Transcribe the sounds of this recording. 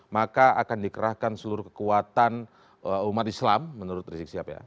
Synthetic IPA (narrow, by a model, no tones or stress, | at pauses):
makaakandikəɾahkansəluɾʊhkə̥kuat̪an | əumat̪islamːənuɾʊt̪risik̚siapaja̰